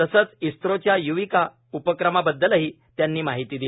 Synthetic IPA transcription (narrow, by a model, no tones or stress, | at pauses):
t̪əsəːt͡sist̪ɾot͡ɕjajuʋika | upəkɾəmabəd̪ːəlaɦiː | t̪janːiːmaɦit̪iːd̪il